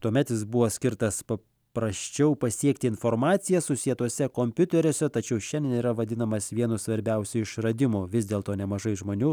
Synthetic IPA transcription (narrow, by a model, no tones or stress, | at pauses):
t̪uɔmʲɛt̪jɪs̬bʊʋosʲkʲɪɾt̪ɐspɐ | pɾɐsʲt͡ʃʲɛʊpɐsʲiɛkt̪ʲɪɪnfoːɾmɑːt̪sʲɪjɛsʊsʲiɛt̪uɔsʲɛkoːmʲpʲʊt̪ʲɛɾʲoːsʲɛt̪ɐt͡ʃʲɛʊʃʲɛnʲd̪ʲɛniːɾɐʋɐd̪ʲɪnɐmɐsʋʲiɛnʊsʋɐɾʲbʲɛʊsʲʊɪʃrɐd̪ʲɪmoːʋʲɪzʲd̪ʲeːlˠt̪oːnʲɛmɐʒɐɪʒmoːnʲuː